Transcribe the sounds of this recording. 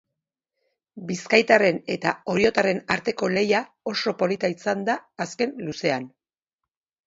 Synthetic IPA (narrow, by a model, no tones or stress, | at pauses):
biskajt̪are̞ne̞t̪ao̞ɾio̞t̪are̞naɾt̪e̞ko̞le̞ja | o̞so̞po̞lit̪aisand̪aːske̞nluse̞an